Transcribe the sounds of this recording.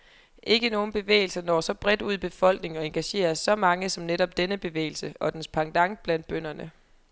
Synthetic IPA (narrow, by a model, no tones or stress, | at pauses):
ʔe̝ɡ̥əno̝ːn̩b̥e̝ʋḛːɪl̩sɐnɒ̰ːsɒ̽b̥ʁɛd̥uð̞̰ˠb̥e̝fɒ̽l̰ɡ̥ne̝ŋɒ̽e̝nɡ̥æɕe̝̰ːɐsːɒ̽mɑ̈ŋəsɒ̽mneɾɒ̽b̥̚d̥enəb̥e̝ʋḛːɪl̩səɒ̽d̥enspʰɑ̈ŋd̥ɑ̈ŋ̥̚b̥læn̰d̥b̥øn̰ɐnə